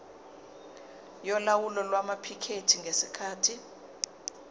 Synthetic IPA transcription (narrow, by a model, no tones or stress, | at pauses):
jɔlawulɔlwamapʰikʰetʰiŋɡesikʰaːtʰi